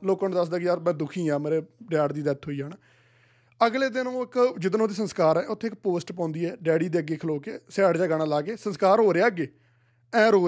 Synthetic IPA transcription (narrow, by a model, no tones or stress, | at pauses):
loːkãːnũːd̪əs̬d̪aːkɪjaːɾmɛ̃ːd̪ʊkʰĩːãːmeːɾeːɖɛːɽd̪iːd̪ɛt̪ʰːɦoːiːaːn | əɡleːd̪ɪnːoːɪkd͡ʒɪd̪nõːd̪iːsənskaːɾɛːʔʊt̪ʰːeːk̚poːsʈpãːnd̪iːɛːɖɛːɽiːd̪eːəɡeːkʰloːkeːsɛːɽd͡ʒaːɡaːɽ̃aːlaːkeːsənskaːɾɦoːɾeaːəɡeː | ɛ̃ːɾoː